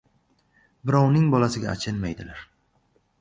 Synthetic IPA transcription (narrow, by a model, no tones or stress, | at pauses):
bɪɾɒwnɪŋbɒlasɪɡʲa̰ːt͡ʃʰɪnmajd̪ɪlaɾ